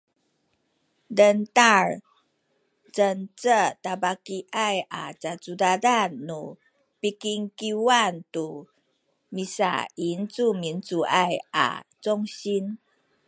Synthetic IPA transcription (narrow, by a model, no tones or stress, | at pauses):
dəntaɹ | t͡sənt͡sətabakiʔajʔa̰t͡sat͡sudadanːu | pikiŋkiwantu | misa̰int͡sumint͡suʔajʔa̰t͡sɔŋɕin